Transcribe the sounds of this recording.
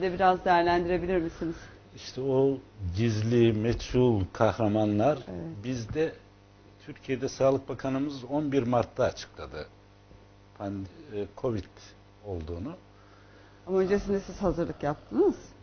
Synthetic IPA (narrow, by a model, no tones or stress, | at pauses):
d̪ɛbiɾazd̪ejæɾlʲænd̪iɾe̞bilʲiɾmisiniz̥ | iʃt̪ʰɛoɟizlʲimɛt͡ʃulˠkʰahɾamanlˠaɾeɛbizd̪ɛ | t̪ʰyɾcʰijed̪ɛsaːlˠɯk̚bakʰanɯmɯzo̞nbiɾmaɾt̪ʰːaːt͡ʃʰɯ̥klˠad̪ɯ | pʰankʰo̞vit̪ | o̞lˠd̪uːnu | amaø̞nd͡ʒesind̪ɛsiz̥hazɯɾlˠɯkjap̚t̪ʰɯnɯz̥